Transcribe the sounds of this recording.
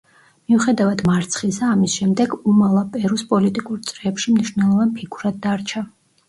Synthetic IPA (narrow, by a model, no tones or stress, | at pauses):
miuχɛd̪avad̪maɾt̪sʰχisaːmisʃɛmd̪ɛɡumalˠapʼɛɾuspʼɔlit̪ʼikʼuɾt̪sʼɾɛːpʃimniʃnɛlˠɔvanpʰikʰuɾad̪̚ːaɾt͡ʃʰa